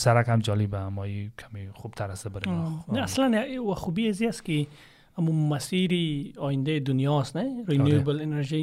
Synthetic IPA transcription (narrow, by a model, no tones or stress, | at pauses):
saɾakhamd͡ʒɔlibamɔikʰameχubt̪ʰaɾast̪abəɾenaslanawaχubiaziaski | amumasiɾiɔjind̪aid̪unjɔsneɾenjuebleneɾʒi